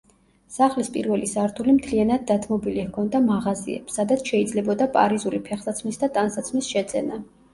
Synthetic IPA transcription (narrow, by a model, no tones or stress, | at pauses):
saχlispʼḭɾvɛlisaɾt̪ʰulimt̪ʰlianad̪̚ːat̪ʰmɔbilihkʰɔnd̪amaʁazḭɛ̰bsːad̪at̪sʰʃɛid̪zlɛbɔd̪apʼa̰ɾizulipʰɛχsat̪sʰmisd̪at̪ʼansat̪sʰmisʃɛt̪sʼɛ̰na